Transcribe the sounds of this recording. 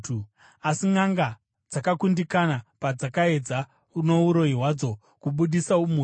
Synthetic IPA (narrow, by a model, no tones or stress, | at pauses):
u | asiŋaŋɡa | d͡zakakundikanapad͡zakae̞d͡za | uno̞uɾo̞iɦwad͡zo̞ | kuɓuɗisaumu